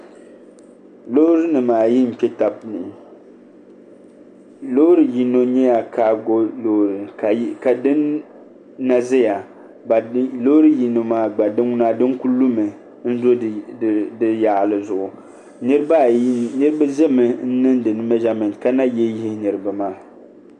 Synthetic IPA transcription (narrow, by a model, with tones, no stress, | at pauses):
lo˦ɾɨ˦nɨ˨maː˨ji˦m̩˨k͡pɛ˦ta˨b̚nɨ˨ | lo˦ɾɨ˨ji˨no˦ɲɛ˦ja˨kʰaː˦ɡo˦lo˦ɾɨ˨ka˨dɨ˦nː | a˨zɪ˦ja˨ | ba˨˦lo˦ɾɨ˦ji˨no˨maː˦ɡ͡ba˨dɨ˦ŋ˦na˦dɨ˦ŋku˦lu˦mɨ˨ | n̩˦zo˦˨ | dɨ˦ja˨ʔlɨ˨zʊ˨ʔʊ˨ | nɨ˦ɾɨ˦ba˦˨˦nɨ˦ɾɨ˦ba˦zɛ˦mɨ˨n̩˦nɨ˦ndɨ˨nɨ˦mɛ˦ʒa˦mɨ˨ŋ˨ka˦na˦jɛ˦ji˦nɨ˨ɾɨ˨ba˨maː˦˨